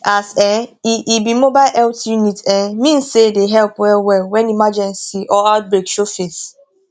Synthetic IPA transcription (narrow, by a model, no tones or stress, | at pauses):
asɛiʔibimobaɪlʔɛltjunitɛmĩn̩sedeɦɛlpɛwɛlwɛnimad͡ʒɛnsiʔɔat̚bɾekʃofis